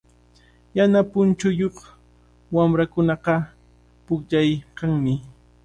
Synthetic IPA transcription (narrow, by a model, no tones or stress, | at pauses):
janapʊnt͡ʃʊjoχ | wamɾakʊnɑqɑ | pʊkʎajqɑŋmɪ